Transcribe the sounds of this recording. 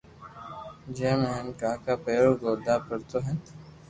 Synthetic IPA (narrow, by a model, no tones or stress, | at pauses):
d͡ʒeːmɛɦɛnkaːkapeːɾoɡoːd̪aːpəɾt̪oɦɛ̃ː